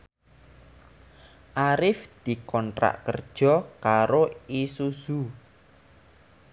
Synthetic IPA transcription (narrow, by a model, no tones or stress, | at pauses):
ʔaɾɪfd̪̥i̤kɔntɾa̰ʔkərd̥ʒ̥ɔkaɾoisuz̥u